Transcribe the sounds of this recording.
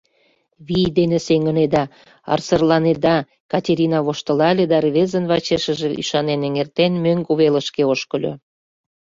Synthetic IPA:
βijd̪enĕseŋəned̪ɑ | ɑ̰rsərlɑned̪ɑ | kɑtʲeɾʲinɑβoʃt̪ə̆lɑlʲed̪ɑrβezənβɑt͡ɕeʃə̆ʒĕʔy̰ʃɑneneŋert̪enmøŋkuβelə̆ʃkeoʃkəlʲø̰

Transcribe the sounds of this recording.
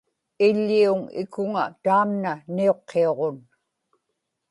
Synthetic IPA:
ɪʎːiuŋɪ̰kʊŋat̪aːmnanio̞qʰːeo̞ʁon

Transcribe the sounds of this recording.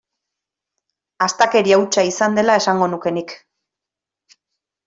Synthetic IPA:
ast̪ake̞ɾiawt͡ʃaisand̪e̞lae̞saŋɡo̞nuke̞nik

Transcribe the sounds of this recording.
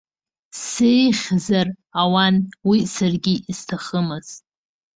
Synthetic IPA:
sejχʲzar | awanwisarɡʲiiz̥tʰaχəmɨz̥

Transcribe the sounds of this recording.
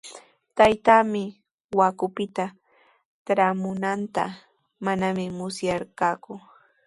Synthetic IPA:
t̪ajt̪aːmɪ | wakʊpɪt̪a | tɾamʊnant̪a̰ | manamɪmʊsjaɾkaːkʊ

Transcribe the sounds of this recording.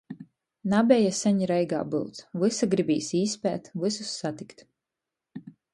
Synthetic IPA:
nabʲɛjasʲɛɲiɾɛjɡa̰ːbɨwt̪svɨsaɡɾibʲiːsiːspʲɛ̰ːt̪vɨsusːat̪ikt̪

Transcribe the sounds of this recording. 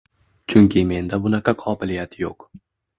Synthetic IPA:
t͡ʃʰʊŋkʲʰɪme̞nd̪abʊnaqʰɑqʰɒːbɪlɪjat̪ʰjoq

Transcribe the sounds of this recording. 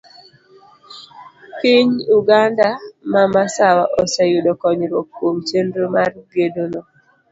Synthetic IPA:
pɪɲuɡandamamasawaʔɔsejudɔkɔɲɾokːwomt͡ʃendɾomarɡedono

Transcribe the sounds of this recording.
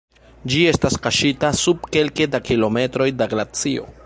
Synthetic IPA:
d͡ʒie̞staskaʃitasub̚ke̞lke̞dakilo̞me̞tɾo̞jdaɡɾat͡sio̞̰

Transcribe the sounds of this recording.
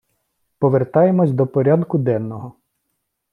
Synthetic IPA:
pɔʋert̪ɑjemɔsʲd̪ɔpɔɾʲad̪kʊd̪ɛnːɔɦɔ

